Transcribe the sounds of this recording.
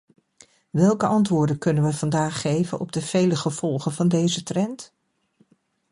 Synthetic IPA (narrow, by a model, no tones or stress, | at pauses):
ʋɛlˠkəʔɑntʋʊːɹdəkɵnənʋəv̥ɑndaːχːejvənʔɔ̰b̚dəv̥ejləχəv̥ɔlˠχənvɑndejzətrɛnt